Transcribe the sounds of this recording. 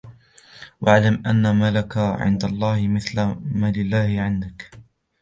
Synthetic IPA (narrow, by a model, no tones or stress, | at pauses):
waʕlamʔanːamalakaʕɪ̰nd̪alˤːɑːhɪmɪθlamaːlɪlːaːhɪʕɪnd̪ak